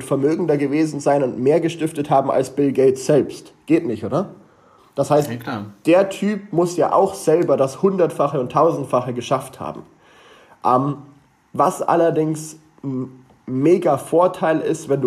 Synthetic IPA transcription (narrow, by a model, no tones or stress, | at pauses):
ʊntfɛɐmøːɡŋ̩dɐɡəveːzn̩zaɪnʊntmeːɐɡəʃtɪftəthaːbm̩ʔa̰lsb̥ɪlɡeɪtz̥ɛlpstɡ̥eːtnɪçtʔoːdɐ | d̥ashaɪstd̥eːɐtʰyːpmʊsja̰ːʔa̰ʊxz̥ɛlbɐdashʊndɐtfaχəʊntʰːaʊzn̩tfaχəɡəʃaftha̰ːbm̩ | ʔɛːm | vasʔa̰lɐdɪŋs | meːɡafoːɐtʰaɪlɪ̰stv̥ɛndu